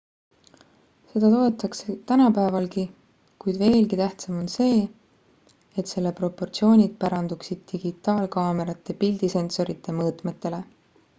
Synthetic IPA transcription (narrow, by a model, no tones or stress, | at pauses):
se̞d̪ɑt̪o̞e̞t̪ːˑɑkse̞t̪ænɑpæevɑlki | kujd̪̥ve̞ːlkit̪æht̪sɑmo̞nse̞ː | et̪se̞lːe̞pro̞pːo̞rt̪sio̞ːnʲid̪̥̚pɑɾɑnd̪uksid̪̥̚t̪iɡ̥it̪ːˑɑːlkɑːme̞ɾɑt̪ːˑepild̪ise̞nso̞ɾit̪ːˑe̞mɤːt̪ˑmet̪ːe̞le̞